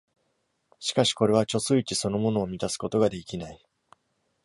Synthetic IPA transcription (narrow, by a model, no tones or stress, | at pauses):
ɕi̥kaɕi̥ko̞ɾe̞βat͡ɕo̞sɨit͡ɕiso̞no̞mo̞no̞ːmʲit̪asɨ̥ko̞t̪o̞ɡad̪e̞kʲinai